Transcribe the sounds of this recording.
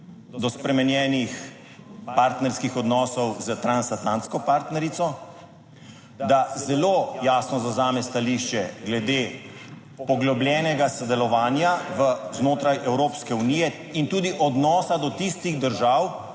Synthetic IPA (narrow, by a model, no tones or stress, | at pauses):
d̪ɔspɾɛmɛnjɛːnix | paɾt̪nɛɾskixɔd̪nɔːsɔwzət̪ɾansat̪lant̪skɔpaɾt̪nɛɾit̪sɔ | d̪azɛloːjaːsnɔzazaːmɛst̪aliʃt͡ʃɛɡlɛd̪e | pɔɡlɔbljɛːnɛɡasɔd̪ɛlɔʋaːnjaʋəznoːt̪ɾajʔɛwɾoːpskɛuniːjɛ | int̪uːd̪iʔɔd̪nɔːsad̪ɔt̪ist̪iɣd̪əɾʒaːw